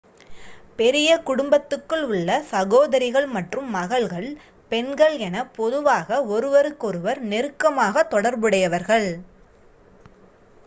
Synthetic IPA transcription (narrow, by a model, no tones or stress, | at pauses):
pɛɾɪjɐkʊɽʊmbɐt̪ːɯkːɯɭʊɭːɐsɐɣoːðɐɾɪɣɐɭmɐʈrɯmːɐɣɐɭɣɐɭ | pɛnɡɐɭɛnɐpɔðɯʋaːɣɐɔɾɯʋɐɾɯkːɔɾɯʋɐɾnɛɾɯkːɐmaːɣɐt̪ːɔɽɐɾbɯɽɐjɐʋɐɾɣɐɭ